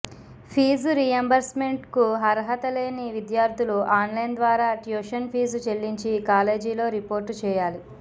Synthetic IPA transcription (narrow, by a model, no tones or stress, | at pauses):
pʰiːzuɾijɐmbɐɾsmeɳʈkuɦɐɾɐɦɐt̪ɐle̞ːniʋid̪jaːɾt̪ʰuluʔaːnlɐjnd̪ʋaːɾaːʈjoːʃɐnpʰiːzut͡ʃeɭːiɲt͡ʃikaːle̞ːd͡ʒiːlo̞ːɾipo̞ːɾʈt͡ʃɛːjaːli